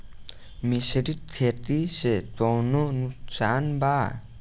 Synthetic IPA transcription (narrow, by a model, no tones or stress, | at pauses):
miseɾit̪ʰet̪iset̪wɔwnonuksanba